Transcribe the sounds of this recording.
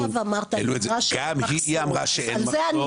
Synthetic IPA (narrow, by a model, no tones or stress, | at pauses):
vamaʁt̪aḛluezaʃɡamɦiiamʁaʃeenlzean